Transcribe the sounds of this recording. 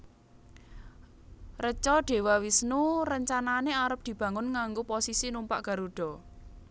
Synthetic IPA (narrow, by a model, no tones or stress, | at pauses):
rət͡ʃɔɖ̥e̤wawisnurəɲt͡ʃananeaɾəp̚d̪̥i̤b̥ä̤ŋʊnŋaŋɡoposisinumpaʔɡ̥a̤ɾuɖ̥ɔ̤